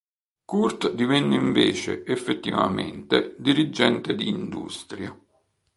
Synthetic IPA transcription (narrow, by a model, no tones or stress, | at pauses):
kurt̪d̪ivɛnːeiɱveːt͡ʃḛʔefːet̪ːiva̰mɛ̰nt̪ed̪iɾid͡ʒɛnt̪ed̪iːnd̪ṵst̪ɾja